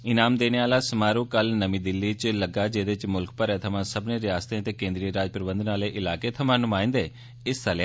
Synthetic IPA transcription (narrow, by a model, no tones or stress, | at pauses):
ɪnaːmd̪eːneːaːlaːsəmaːɾũːkəlnəmĩːd̪ɪlːiːt͡ʃləɡaːd͡ʒeːd̪et͡ʃmʊlkpəɾɛːt̪ʰəmãːsəbneːɾɪjaːst̪ẽət̪eːkẽːnd̪ɾiɾaːd͡ʒpəɾbənd̪ənaːleːʔɪlaːkeːt̪ʰəmãːnʊmãːɪ̃nd̪eː | ɪst̪əlaː